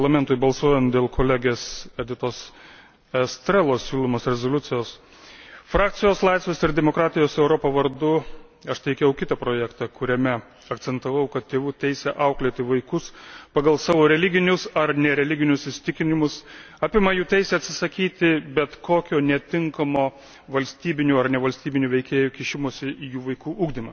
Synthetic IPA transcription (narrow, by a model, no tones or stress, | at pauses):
pɐlˠɐmʲɛnt̪ʊɪbɐlˠsuɔjɛnt̪d̪ʲeːlˠkʰoːlʲæɡʲeːsɛd̪ʲɪt̪oːs | ɛst̪ʲɾʲɛlˠoːssʲuːlˠoːmoːsɾʲɛzoːlʲʊt̪sʲɪjoːs | fɾɑːk̚t̪ʲɪjoːslˠɐɪsʋʲeːsɪɾd̪ʲɛmoːkɾɑːt̪ʲɪjoːsɛʊɾoːpɐʋɐɾd̪ʊ | ɐʃt̪ʲɛɪkʲɛʊkʲɪt̪ɐpɾoːjæːkt̪ɑkʊɾʲɛmʲɛ | ɐkt̪sʲɛnt̪ɐʋɐʊkɐt̪t̪ʲeːʋuːt̪ʲɛɪsʲɛʔɐʊklʲeːt̪ʲɪʋɐɪkʊspɐɡɐlˠsɑːʋoːɾʲɛlʲɪɡʲɪnʲʊsɐɾnʲɛɾʲɛlʲɪɡʲɪnʲʊssʊɪsʲɪ̥t̪ʲɪkʲɪnʲɪmʊs | ɑːpʲɪmɐjuːt̪ʲɛɪsʲɛːɐt̪ʲsʲɪ̥sɐkʲiːt̪ʲɪbʲɛt̪koːkʲoːnʲɛt̪ʲɪŋkɐmoː | ʋɐlʲsʲt̪ʲiːbʲɪnʲuːɐrnʲɛʋɐlʲsʲt̪ʲiːbʲɪnʲuːʋʲɛɪkʲeːjukʲɪʃʲɪmuɔsʲɪʔijuːʋɐɪkuːʔuːɡd̪ʲɪmɐ